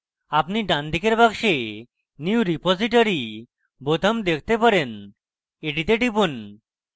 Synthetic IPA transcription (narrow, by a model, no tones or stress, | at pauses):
apniɖand̪ʱikeɾbaɡʃe | niuɾipoziʈəɾi | bot̪ʰəmd̪ekʰt̪epaɾen | eʈit̪eʈipun